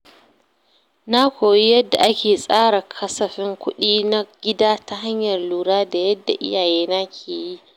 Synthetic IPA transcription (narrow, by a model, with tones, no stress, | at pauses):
na˦kʷoː˨ji˦jɐ˦dːa˨ʔa˦kʲeː˨sʼaː˦ɽa˨kʰɐ˦sɐ˨ɸɪ˦ŋkʷʊ˦ɗiː˦na˦ɡʲɪ˦daː˦ta˦ɦa˦ɲjɐ˨rluː˨ɽaː˦da˨jɐ˦dːa̰˨ʔɪ̰˦jaː˨jeː˦na˦kʲʰeː˨ji˦